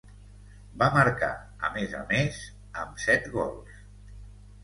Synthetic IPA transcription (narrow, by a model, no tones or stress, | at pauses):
baməɾka̰ | əmezə̰mez | əmsɛt̪ɣɔ̰lˠs